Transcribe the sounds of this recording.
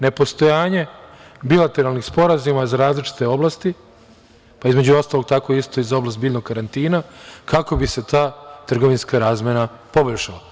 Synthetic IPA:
ne̞po̞st̪o̞jaːɲe̞bilˠat̪e̞ɾalˠnixspo̞ɾazumazaɾaːzlit͡ʃi̥t̪e̞o̞blˠast̪i | paizme̞d͡ʑuo̞st̪alo̞ɡ̚t̪ako̞ist̪o̞izao̞blast̪̚biːʎno̞ɡ̚kaɾant̪iːnakako̞bise̞t̪aːt̪r̩ɡo̞ʋinskaɾaːzmʲjena | po̞boʎʃalˠa

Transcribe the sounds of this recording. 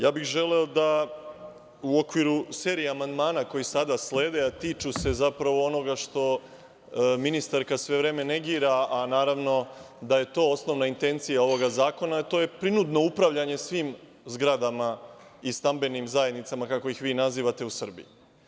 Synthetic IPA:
jaːbixʒe̞le̞od̪a | uo̞kʋiɾuse̞ːɾijeamand̪maːnako̞jisad̪asle̞ːd̪eat̪iːt͡ʃuse̞zapɾaʋoo̞no̞ɡaʃt̪o̞ | minist̪aɾkasʋe̞ʋɾe̞ːme̞ne̞ɡiːɾaanaːɾaʋno̞ | d̪aje̞t̪o̞ːosno̞ʋnaint̪e̞nt̪sijao̞ʋo̞ɡazaːko̞nat̪o̞ːje̞pɾinud̪no̞upɾaʋʎaɲe̞sʋiːm | zɡɾad̪ama | ist̪ambe̞nimzaje̞d̪nit̪samakako̞jixʋiːnaziːʋat̪e̞usr̩bḭju

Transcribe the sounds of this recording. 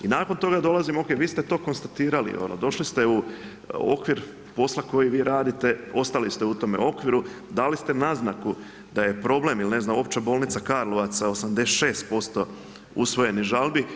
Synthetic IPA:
inaːko̞nt̪o̞ɡad̪o̞lˠazimo̞ːkeʋiːst̪et̪o̞ːko̞nst̪at̪iːɾalḭo̰lo̰d̪o̞ʃlist̪e̞u | o̞̰kʋiɾ | po̞slˠako̞jiʋiːɾaːd̪it̪e̞o̞st̪alist̪eut̪o̞me̞̰o̞kʋiɾu | d̪aːlist̪e̞naznaku | d̪aje̞pɾo̞ble̞milne̞znamo̞pt͡ɕabo̞ːlnit̪sakaɾloʋat̪sao̞samd̪eset̪ʃe̞ːst̪̚po̞st̪o̞ | ṵsʋo̞je̞niʒalˠbi

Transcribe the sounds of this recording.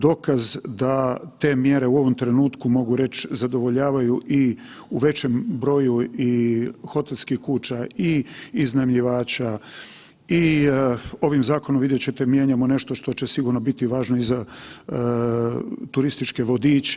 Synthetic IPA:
d̪o̞kazd̪at̪e̞mje̞ɾe̞uo̞ʋo̞mt̪ɾe̞nuːt̪kumo̞ɡuɾe̞t͡ɕzad̪o̞ʋo̞ʎaːʋajuʔi | uʋe̞t͡ɕe̞mbɾo̞ːjuixo̞t̪elʲskixkuːt͡ʃaiiznamʎiʋaːt͡ɕa | i | o̞ʋimzaːko̞nomʋid̪jet͡ɕet̪emjeːɲamone̞ʃt̪oʃt̪o̞t͡ɕe̞siɡuɾno̞bit̪iʋaːʒno̞iza | t̪uɾist̪it͡ʃke̞ʋo̞d̪iːt͡ɕ

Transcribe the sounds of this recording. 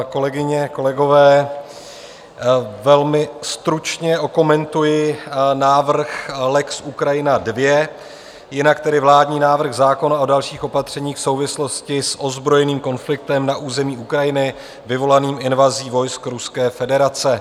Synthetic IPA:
ko̞lɛɡɪɲɛko̞lɛɡo̞vɛː | vɛlmɪst̪ɾut͡ʃɲɛʔo̞ko̞mɛnt̪ujɪnaːvr̩xlɛksʔukɾajɪnadvjɛ | jɪnakt̪ɛdɪvlaːdɲiːnaːvr̩xzaːko̞nao̞dalʃiːxʔo̞pat̪r̝̥ɛɲiːxfso̞wvɪslo̞scɪsʔo̞zbɾo̞jɛniːmko̞nflɪk̚t̪ɛmnaʔuːzɛmiːukɾajɪnɪ | vɪvo̞laniːmɪnvaziːvo̞jskɾuskɛːfɛdɛɾat͡sɛ

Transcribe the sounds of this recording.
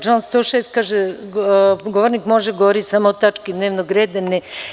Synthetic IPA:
t͡ʃanst̪oːʃeːst̪̚kaːʒe | ɡoʋoɾnikmoʒeɡoʋoɾit̪samoot̪at͡ʃkid̪neːʋnoɡɾeːd̪ane

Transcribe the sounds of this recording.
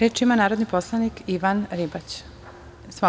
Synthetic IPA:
ɾeːt͡ʃimanaːɾod̪niposlˠanikiʋanɾibat͡ɕ | sʋa

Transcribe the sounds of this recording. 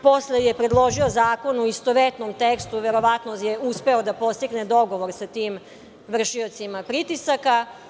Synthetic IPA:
po̞slejepɾe̞d̪lˠo̞ʒio̞zaːko̞nuist̪oʋet̪nomt̪ekst̪uʋe̞ɾo̞ʋat̪nojeuspe̞od̪apo̞st̪iɡned̪o̞ɡo̞ʋo̞ɾsat̪iːm | ʋr̩ʃiot̪simapɾit̪isaka

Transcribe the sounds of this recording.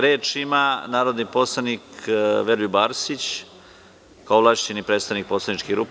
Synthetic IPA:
ɾeːt͡ʂimanaːɾod̪niposlˠanikʋeɾjubaːɾsit͡ɕ | kaoʋlˠaʃt͡ɕenipɾeːt̪st̪aʋnik̚poslaniʈ͡ʂkiɣɡɾup

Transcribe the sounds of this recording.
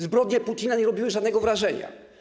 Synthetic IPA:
zbɾɔd̪ʲɲɛput̪ʲinaɲɛɾɔbʲiwɘʐad̪nɛɡɔvɾaʐɛɲa̰

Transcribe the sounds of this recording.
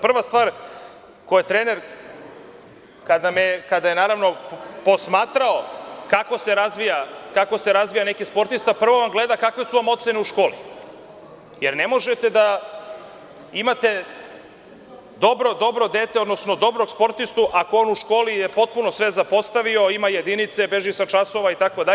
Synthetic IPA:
pr̩ʋast̪ʋaːɾ | kojet̪ɾeːne̞ɾ | kad̪amekad̪ajenaːɾaʋno̞po̞smaːt̪ɾao̞kako̞se̞ɾazʋijakako̞seɾazʋijane̞kispo̞ɾt̪ist̪apr̩ʋo̞ʋamɡle̞d̪akakʋe̞suʋamo̞t̪se̞neuʃko̞ːlḭ | jeɾne̞mo̞ʒet̪e̞d̪a | imat̪e̞ | d̪o̞bɾo̞d̪o̞bɾo̞d̪eːt̪eo̞d̪no̞sno̞d̪o̞bɾoɡspo̞ɾt̪ist̪uʔako̞onuʃko̞ːlijepo̞t̪̚punosʋe̞zapo̞st̪aʋio̞imaje̞d̪init̪se̞be̞ʒisat͡ʃaso̞ʋait̪ako̞d̪a

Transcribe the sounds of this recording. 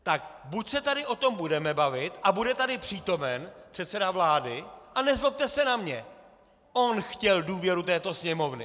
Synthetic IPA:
t̪akbucsɛt̪adɪʔo̞t̪o̞mbudɛmɛbavɪt̪ʔabudɛt̪adɪpr̥iːt̪o̞mɛnpr̝̥ɛt̪sɛdavlaːdɪʔanɛzlop̚t̪ɛsɛnamɲɛ | ʔonxcɛlduːvjɛɾut̪ɛːt̪o̞sɲɛmo̞vnɪ̰

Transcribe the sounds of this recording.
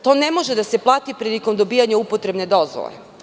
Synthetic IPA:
t̪o̞ːnemo̞ʒed̪ase̞plˠaːt̪ipɾiːliko̞md̪o̞biːjaɲaupot̪ɾe̞bne̞d̪o̞zʋo̰lḛ

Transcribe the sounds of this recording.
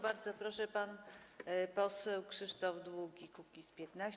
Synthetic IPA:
baɾd̪zɔpɾɔʂɛpan | pɔsɛwkʂɘʂt̪ɔvd̪wuɡʲikukʲispʲjɛt̪naɕ

